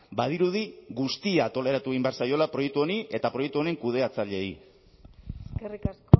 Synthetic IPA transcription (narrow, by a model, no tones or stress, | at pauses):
bað̞iɾuðiɣust̪iaːt̪o̞le̞ɾat̪ueimbeaɾsajo̞lapɾo̞je̞k̚t̪uo̞niʔe̞t̪apɾoje̞k̚t̪uo̞ne̞ŋkuð̞e̞at͡saʎe̞j | serikas